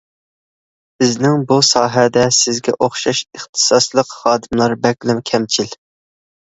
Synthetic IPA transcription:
bɪznɪŋbusɑːɦɛd̪ɛsɪzɡʲɛ̰ʔoχʃɑʃəχt̪ʰɨ̥sɑslˠəqχɑːd̪ɨmlˠɑɾbɛkʲlɪmkʲʰɛmt͡ʃʰil

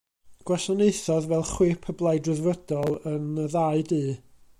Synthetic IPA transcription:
ɡ̥wɛɬɔneɨθɔðvɛlˠχwɪːpʰəblˠaɨdrɪðvədɔlˠənəðaɨdiː

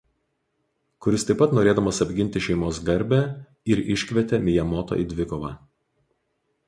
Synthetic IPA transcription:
kʊɾʲɪst̪ɐɪpɐt̪noːɾʲeːd̪ɐmɐsɐbʲɡʲɪnʲt̪ʲɪʃʲɛɪmoːs̬ɡɐɾʲbʲæ | ɪɾɪʃʲkʲʋʲɛt̪ʲɛmʲɪjɛmɔːt̪o̰ʔid̪ʲʋʲɪkɔʋɑ̰ː

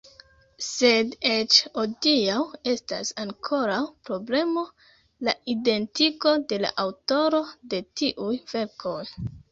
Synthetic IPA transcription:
se̞det͡ʃodiawe̞sta̰saŋkʰo̞ɾawpɾo̞ble̞mo̞ | laide̞ntiko̞de̞la̰ʔawto̞ɾo̞de̞tiʔujve̞ɾkʰo̞j

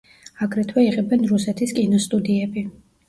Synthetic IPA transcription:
aɡɾɛt̪ʰwɛiʁɛbɛnɾusɛt̪ʰiskʼinɔst̪ʼud̪iɛbi

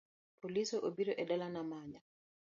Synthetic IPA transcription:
polisɔʔobiɾɔʔɛdalanamaɲa

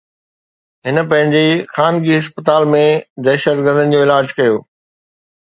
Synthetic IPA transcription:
ɦɪnə̆pɐ̃ɦɪ̃ɲd͡ʑexaːnɡiɦɪs̬pət̪aːlmẽd̪ɛːʃət̪ɡəɾd̪ənɪ̆d͡ʑoːɪlaːd͡ʑkɐjoː

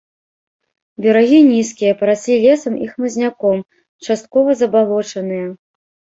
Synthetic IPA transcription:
bʲɛɾaɣʲinʲiskʲijɐpɐɾasʲlʲilʲɛsɐmixmɐzʲnʲakɔm | t͡ʂast̪̚kɔvɐzɐbalˠɔt͡ʂɐnɨjɐ

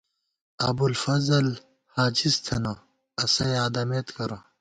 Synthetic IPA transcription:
ɐ̰bulfɐzɐl | haːd͡ʑist̪ʰɐnɐ | ɐsɐjaːd̪ɐmet̪kɐɾɐ

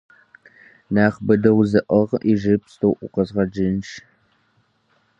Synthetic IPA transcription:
naːχbɨdɐwzɨʔɐʁiʒɨpst̪ʰoːʔʷʊ̰qɐzʁɐd͡ʒɪnʃ

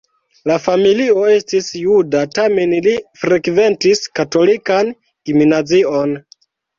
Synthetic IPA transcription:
lafamilio̞e̞stisjudatame̞nlifɾe̞kve̞ntiskato̞likan | ɡ̥iminazio̞n

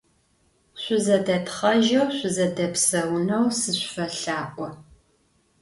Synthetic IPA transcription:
ɕʷʊzɐdɐtχɐʒɐwɕʷʊzɐdɐpsɐwnɐwsɨɕʷfɐɬaːʔʷʼɔ

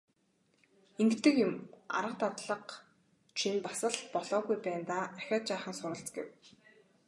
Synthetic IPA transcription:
eŋɡt̪ɘ̆kjʊma̰ɾə̆q̚t̪at̪ɮə̆q | t͡ɕʰinpasə̆ɮpɔɮɔːɣujpæːnt̪aːaxʲɔːt͡ɕaːχə̆nsʊɾə̆ɬt͡sɡḛw

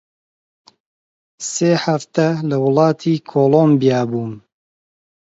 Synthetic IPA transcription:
seːħaft̪ɐlɐwʊlˠɑːt̪ʰiːkʰoːlombijaːbuːn

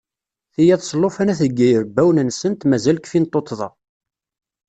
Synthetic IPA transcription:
θijæðˤsˤlːofænæθəɡːæjəɾbːæwnənsənt̪mæzælkfint̪ˤːot̪ˤːðˤɑ̰

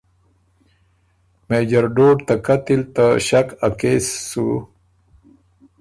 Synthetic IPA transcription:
meːd͡ʑaɾɖoːɖt̪akat̪ilt̪aɕakakeːsːu

